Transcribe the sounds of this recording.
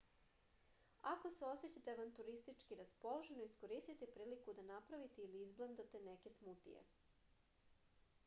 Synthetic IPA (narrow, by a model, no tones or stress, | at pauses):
ako̞seo̞set͡ɕat̪eʋant̪uɾist̪it͡ʃkiɾaspo̞loʒe̞noisko̞ɾist̪it̪epɾiːlikud̪anapɾaʋit̪eiliizblˠand̪at̪eneke̞smut̪ḭjḛ